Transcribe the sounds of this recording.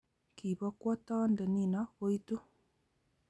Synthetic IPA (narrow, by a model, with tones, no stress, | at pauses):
kʰi˨βɔ˦kwɔ˦tɔ˦ndɛ˨ni˦na˦o˦i˦tu˦